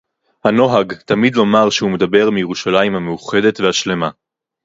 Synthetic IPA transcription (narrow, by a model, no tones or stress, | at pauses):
hano̞ɦaɡtamidlo̞maʁʃehume̞dabe̞ʁmijeʁuʃalaimhamejuχe̞de̞tvehaʃle̞ma